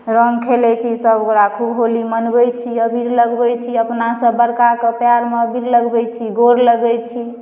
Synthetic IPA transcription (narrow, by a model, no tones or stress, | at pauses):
ɾəŋkʰelɛt͡ʃʰisəbokɾakʰubɦolimənbɛjt͡ʃʰiəbʱiɾləɡbɛjt͡ʃʰiəpnasə̃bəɾkakepjaɾmeəbʱiɾləɡbɛjt͡ʃʰiɡoɾləɡɛt͡ʃʰi